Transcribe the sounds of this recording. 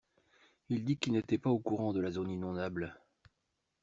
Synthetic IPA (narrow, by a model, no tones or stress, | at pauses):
ild̪ikilnet̪ɛpaokuʁɑ̃d̪əlazoninɔ̃nabl